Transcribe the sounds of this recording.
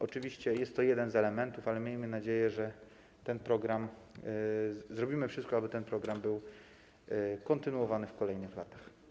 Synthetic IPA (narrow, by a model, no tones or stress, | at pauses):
ʔɔt͡ʂɘvʲiɕt͡ɕɛjɛst̪ːɔjɛd̪ɛnzɛlɛmɛnt̪ufalɛmʲjejmɘnad͡ʑejɛʐɛ | t̪ɛnpɾɔɡɾam | zɾɔbʲimɘfʂɘst̪kɔabɘt̪ɛnpɾɔɡɾambɘw | kɔnt̪ɘnuwɔvanɘfkɔlɛjnɘxlat̪ax